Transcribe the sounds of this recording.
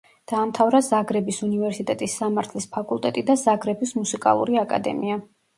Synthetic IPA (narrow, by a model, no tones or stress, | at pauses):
d̪̥aːmt̪ʰavɾazaɡɾɛbisunivɛɾsit̪ʼɛt̪ʼisːamaɾt̪ʰlispʰakʼulˠt̪ʼɛt̪ʼid̪azaɡɾɛbismusikʼa̰lˠṵɾiakʼa̰d̪ɛ̰mia